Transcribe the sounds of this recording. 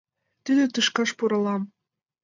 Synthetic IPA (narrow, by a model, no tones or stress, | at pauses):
t̪yd̪ɘ̆t̪ɯʃkɑʃpuɾɤ̆lˠɑm